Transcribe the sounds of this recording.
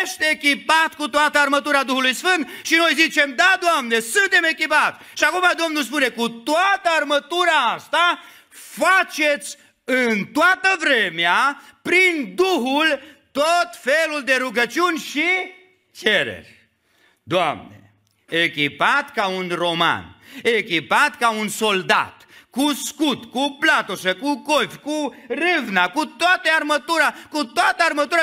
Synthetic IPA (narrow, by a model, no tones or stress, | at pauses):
ʃt̪eekʲipat̪kut̪oat̪əarmət̪uɾad̪uhulujsfɨnd̪̚ʃino̞jzit͡ʃemd̪ad̪oamne̞sɨnt̪e̞me̞kʲipat̪sʲʃiakumad̪o̞mnuls̬pune̞kut̪oat̪əarmət̪uɾaast̪a | fat͡ʃe̞t̪sʲ | ɨnt̪oat̪əvɾemeapɾind̪uɦult̪ot̪feluld̪e̞ɾuɡət͡ʃiunʲʃi | t͡ʃeɾḛrʲ | d̪oamnḛ | ekʲipat̪kaunroma̰nekʲipat̪kaunso̞ld̪a̰t̪kuskut̪kuplat̪oʃekukofʲkurɨvnakut̪oat̪əarmət̪uɾakut̪oat̪əarmət̪uɾə